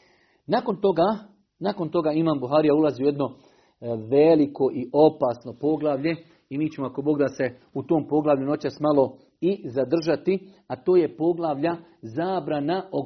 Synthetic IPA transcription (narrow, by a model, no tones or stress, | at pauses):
nako̞nt̪oɡa | nako̞nt̪o̞ɡaːimaːmbuɦaːɾijaulazioje̞d̪no̞ | ʋeliko̞ʔiʔo̞pasno̞po̞ɡlˠaʋʎe̞ | imiːt͡ɕe̞moako̞bo̞ɡd̪ase̞ut̪oːmpo̞ɡlˠaʋʎuno̞t͡ɕasmalˠo̞ | izad̪r̩ʒat̪i | at̪o̞ːje̞po̞ɡlˠaʋʎa | zaːbɾanao